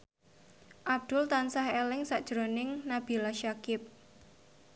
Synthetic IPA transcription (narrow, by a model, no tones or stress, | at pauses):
ʔab̚d̪̥ʊlt̪ansahelɪŋsaʔd̥ʒ̥ɾonɪŋnab̥i̤laʃakɪp̚